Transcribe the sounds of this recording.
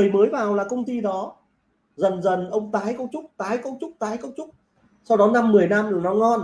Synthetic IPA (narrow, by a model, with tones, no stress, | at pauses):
əjməː˨˦jvaː˨˩wlaː˨˩kə˧wŋ͡mt̪i˧ɗɔ˨˦ | zə˨˩nzə˨˩nʔə˧wŋ͡mt̪aː˨˦jkə˧wŋ͡mt͡ɕʊ˦˥k͡p̚t̪aː˨˦jkə˧wŋ͡mt͡ɕʊ˦˥k͡p̚t̪aː˨˦jkə˧˦˥wŋ͡m̚t͡ɕʊ˦˥k͡p̚ | sa˧wɗɔ˨˦na˧mːɨ˨˩əjna˧m˨˩nɔ˨˦ŋɔ˧n